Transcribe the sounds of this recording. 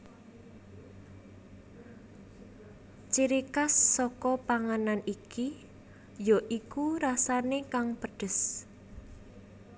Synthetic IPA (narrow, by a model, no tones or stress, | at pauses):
t͡ʃiɾikasːɔkɔpaŋananiki | joʔikuɾasanekaŋpəɖ̥ə̤s